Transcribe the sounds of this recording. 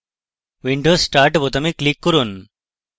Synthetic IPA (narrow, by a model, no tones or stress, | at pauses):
ʋiɳɖoːsːʈaːɾʈbot̪ɐmiklikːuɾun